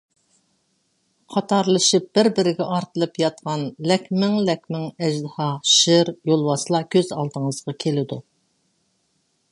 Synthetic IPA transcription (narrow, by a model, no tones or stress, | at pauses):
qʰɑt̪ɑɾlˠɨʃɨp̚b̥ɪɾbɪɾɪɡʲɛʔɑɾt̪ɨlˠɨpjɑt̪qɑnlɛkʲmɪŋlɛkʲmɪŋɛʒd̪ɨhɑʃɪɾjolˠwɑslˠɑkʲʰøzɑ̰lˠd̪əŋəzʁɑkʲʰelɪd̪u